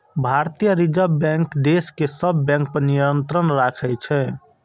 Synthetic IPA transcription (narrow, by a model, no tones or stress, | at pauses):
bʱaɾt̪ijəɾid͡ʒəbɛ̃ŋkd̪eskesəbːɛ̃ŋk̚pəɾnijənt̪ɾənɾakʰɛt͡ʃʰɛ